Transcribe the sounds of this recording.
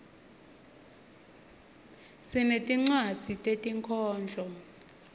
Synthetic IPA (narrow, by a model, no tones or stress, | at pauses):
sinetʼiŋ͡ǀwad̥d͡z̥ʱitʼetʼiŋkʰɔːnd͡ɮʱɔ